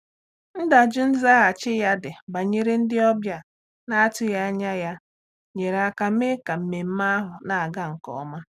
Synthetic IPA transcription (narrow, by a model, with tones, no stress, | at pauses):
n̩˦da˨d͡ʒʊ˦n̩˦za˦ɣa˨t͡ʃɪ˦ja˦dɪ˨ba˨ɲe˦ɾe˦n̩˦dɪ˦ɔ˦bja˦ | na˦tʊ˦ja˦a˦ɲa˦ja˦ | ɲe˨ɾa˨ka˨˦e˦ka˨m̩˨me˨m̩˦ma˦a˦ɦʊ˨na˨a˨ɡa˦ŋ̩˨kɔ̰˨˦ma˦